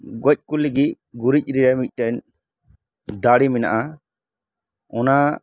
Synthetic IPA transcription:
ɡɔc̚kuliɡic̚ | ɡuɾic̚ˀɾiɾɛmic̚ˀʈɛɲ | d̪aɽimina̰ʔa | ɔna

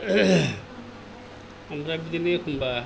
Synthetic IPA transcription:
amɾabidinekʰumba

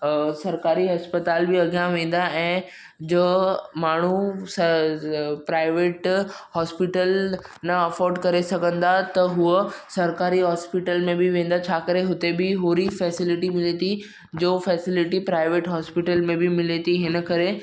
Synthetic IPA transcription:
sɐɾkaːɾiɦɐspət̪aːlbɪɐɡjãʋẽːn̆d̪aʔɛ̃ː | d͡ʑomaːɳ̤usɐ | pɾaːɪʋeːʈhɔːspɪʈəlnɐɐfɔːɾɖkɐɾesɐɡʱə̃nd̪at̪ɐɦʊəsɐɾkaːɾiɦɔːspɪʈəlmẽbʱɪʋẽːn̆d̪at͡ɕʰaːkɐɾeɦʊt̪ebɪɦoːɾifɛːsɪlɪʈimɪlet̪i | d͡ʑoːfɛːsɪlɪʈipɾaːɪʋeːʈɦɔːspɪʈəlmẽbɪmɪlet̪iɦɪnə̆kɐɾe

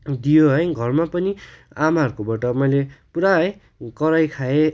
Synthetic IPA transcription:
d̪ijoɦʌjɡʱʌrmapʌni | amaɦʌɾukobaʈʌmʌjlepuɾae | kʌɾajkʰae

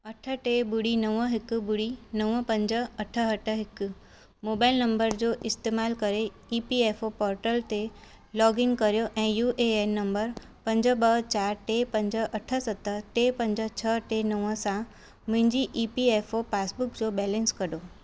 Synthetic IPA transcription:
ɐʈʰə̆ʈebʊɽinɐʋəɦɪkbʊɽinɐʋəpɐ̃ɲd͡ʑəɐʈʰəɦɐʈʰəɦɪkʊ | moːbaːɪlnɐ̃mbəɾd͡ʑoːʔɪst̪eːmaːlkɐɾe | iːpieːfopɔːɾʈəlt̪e | lɔːɡɪŋkɐɾijoʔɛ̃ːjuːʔeennɐ̃mbəɾ | pɐ̃ɲd͡ʑəbəɦt͡ɕaːɾʈepɐ̃ɲd͡ʑəʔɐʈʰə̆sɐt̪ːəʈeːpɐ̃ɲd͡ʑə̆t͡ɕʰɐʈenɐʋəsã | mʊ̃ɦɪ̃ɲd͡ʑiʔiːpieːfopaːsbʊkd͡ʑoːbɛːlə̃nskɐɗoː

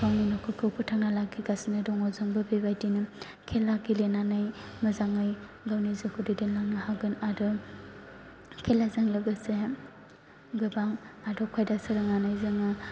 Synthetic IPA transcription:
bawninɔkʰɯkʰɯwpʰɯtʰaŋnalaɡiɡasnɯdɔŋɔzɯŋbɯbebajtinɯ | kʰelaɡilenanɯjmɐzaŋɯj | ɡawnizɯkʰudidenlaŋnɯhaɡɯnadɯ | kʰelazɯŋlɯɡɯse | ɡɯbaŋadɔkʰajdasɯɾɯŋanajzɯŋɯ

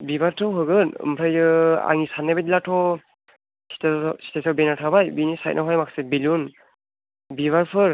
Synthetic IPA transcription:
bibaɾtʰɔwɦɯɡɯnɯ̰mpʰajɯa̰ŋisanebetlatʰɔ | si̥tsi̥tʰasɔbenatʰabajbinisaj̰t̚nʔɔɦɔjmaksibilun | biβaɹpʰɯɹ

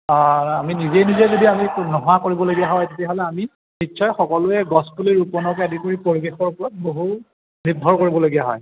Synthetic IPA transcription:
aaminizɛjnizeɛjzodiaminɔɦɔakoɹibɔloɡijaɦɔjtetijaɦɔlɛami | nitːʃʰɔjxɔkɔlʊɛɡɔspuliɹupɔnɔk̬adikoɹipɔɹiɡexɔɹpɔɹɔt̚boɦu | nidʱɔɹkoɹibɔloɡijaɦɔ̰j

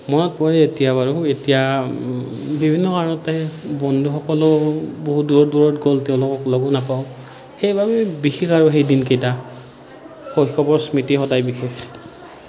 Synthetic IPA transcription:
mɔnɔt̚pɔɹɛetijaβaɹʊetija | bibʱinːɔkaɹɔtabɔndʱuxɔkɔlʊboɦuduɹɔduɹɔtɡoltɛʊ̃lʊkɔklɔɡɔnapaʊ̃ | xejbʱabɛbixexaɹʊɦejdinkejta | xojxɔbɔɹsmitixɔdajbixex

